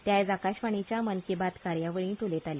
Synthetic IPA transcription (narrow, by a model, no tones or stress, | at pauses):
t̪jajd͡zakaɕʋaɳ̃it͡ɕjamənkebat̪kaɾjaʋəɭĩːt̪olet̪alja